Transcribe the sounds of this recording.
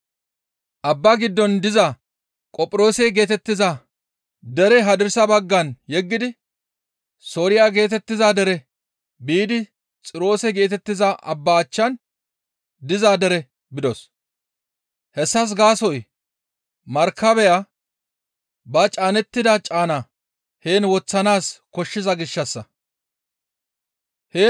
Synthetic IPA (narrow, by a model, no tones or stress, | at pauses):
ʔɐbːaɡɪd̪ːɔnd̪ɪzɐ | kʼɔpʼɪɾo̞ːsɛɡe̞ːt̪ɛt̪ːɪzɐ | d̪ɛɾɛɦɐd̪ɪɾsɐbɐɡːɐnjɛɡːɪd̪ɪ | soːɾɪjaɡe̞ːt̪ɛt̪ːɪzad̪ɛɾɛ | biːd̪ɪ | t͡sʼɪɾo̞ːsɛɡe̞ːt̪ɛt̪ːɪzɐʔɐ̰bːaːt͡ʃːɐn | d̪ɪzaːd̪ɛɾɛ | bɪd̪ɔs | hɛsːɐs̬ɡaːsɔj | mɐɾkːɐbɛja | bɐt͡ʃʼaːnɛt̪ːɪd̪ɐt͡ʃʼaːna | he̞ːnwɔt͡sːɐnaːskɔʃːɪzɐɡɪʃːɐsːɐ | heː